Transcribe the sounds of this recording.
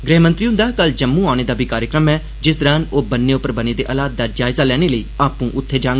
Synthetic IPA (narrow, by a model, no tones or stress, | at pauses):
ɡɾɪɦmə̃nt̪ɾiũːd̪aːkəld͡ʒəmːũːaːʊñeːd̪aːbʱiːkaːɾjəkɾəmɛː | d͡ʒɪs̬d̪əɾãːnoːbənːeːʊpəɾbəneːd̪eːʔəlaːt̪̚d̪aːd͡ʒaːɪzaːlɛːɽ̃eːləiːaːpũːʔʊt̪ʰːeːd͡ʒãːŋɡ